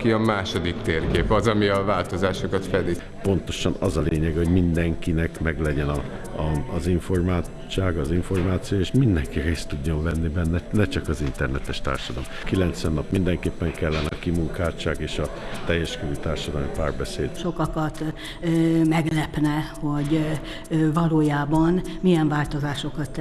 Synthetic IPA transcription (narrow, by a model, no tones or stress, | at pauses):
kiɒmaːʃo̞d̪ikt̪eːrkeːpɒzɒmiɒvaːlt̪o̞zaːʃokɒt̪fɛd̪i | po̞nt̪o̞ʃɒnɒzɒleːɲɛɡɛhoɟmind̪ɛŋkinɛkmɛɡlɛɟɛnɒ | ɒːziɱfo̞rmaː | t͡ʃːaːɡɒziɱfo̞rmaːt̪sijojeːʃmind̪ɛŋkireːst̪uɟːo̞nvɛnːibɛnːɛnɛt͡ʃɒkɒzint̪ɛrnɛt̪ɛʃt̪a̰ːrʃɒd̪ɒlmkilɛnt̪sʋɛnːɒpmind̪ɛŋkeːpːɛŋkɛlːɛnɛɒkimuŋkaːt͡ʃaːɡeːʃɒ | t̪ɛjːɛʃkøɾyːt̪aːrʃɒd̪ɒlmipaːrbɛseːd̪ʃo̞kɒkɒt̪ː | mɛɡlɛpnɛho̞ɟ | vɒloːjaːbɒnmijɛɱvaːlt̪ozaːʃo̞kɒt̪ː